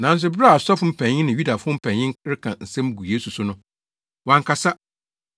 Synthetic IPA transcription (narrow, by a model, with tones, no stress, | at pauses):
nã˨n˦s̬ʊ˦bɾa˦a˨sɔ˦fm̩˦˨pʰæ̃˨ɲ˦ɪ̃˦nɪ̃˨ju˦da˨fʊ˦ɔ˦m̩˦pʰɛ̃˨ɲː˦ɪ̃˦ŋ˦ɾɪ˦kʰã˨n̩˨sɛ̃˦mɡu˨je˦su˨sʊ˦nʊ̃˦ | wã˨ŋ˨kʰa˨sa˦